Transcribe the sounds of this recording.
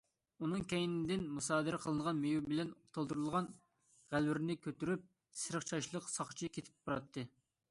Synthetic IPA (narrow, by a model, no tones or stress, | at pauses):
unɨŋkʲʰɛjinɪd̪ɪnmusɑːd̪ɨɾɪqʰəlˠɨɴʁɑnmejubɪlɛnot̪ʰɑlˠd̪uɾulˠʁɑn | ʁælwɪɾnɪkʲʰøt̪yɾyp̚ | sɨɾəχt͡ʃʰɑʃlˠəqsɑχt͡ʃʰikʲʰet̪ʰɪ̥p̚bɑɾɑt̪ʰːɨ